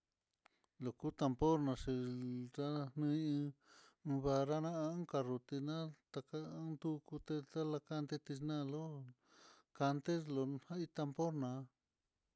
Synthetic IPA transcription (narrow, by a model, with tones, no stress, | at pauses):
lo˨ku˦t̪a˧mpo˦ɾnã˨˧ʂi˧ɾa˦nnɨ̃˦˧˦ɨ̃˧ | βa˧ɾa˦nã˦a˧˦ũ˦ka˧ru˨t̪i˧nã˦t̪a˧ka˧˦nd̪u˦ku˧t̪e˧ta˦la˧ka˦nt̪e˦t̪i˧nã˦˧lo˦ | ka˧nt̪e˦lo˧hã˦i˧t̪a˧mpo˦ɾnã˨˧